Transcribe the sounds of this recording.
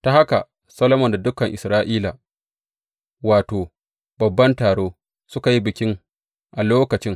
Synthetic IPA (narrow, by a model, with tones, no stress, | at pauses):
ta˨ha˦ka˨ | sɐ˦lo˦mɔ˨nda˨dʊ˦kɐ˨ŋʔɪ˨sɾaː˦ʔiː˦laː˨ | waː˨toː˨ | bɐ˨bːɐ˦ntaː˨ɽoː˦ | sʊ˦ka˨ji˦bɪ˨kʲɪ˦ŋ | ʔa˨loː˦kɐ˨t͡ʃɪ˦ŋ